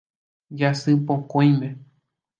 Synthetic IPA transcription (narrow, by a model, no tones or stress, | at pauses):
d͡ʒasɨpõkõj̃mẽ